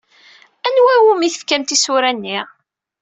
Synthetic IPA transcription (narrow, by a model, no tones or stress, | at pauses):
ænwæwumiθə̥fkæmt̪isuɾænːi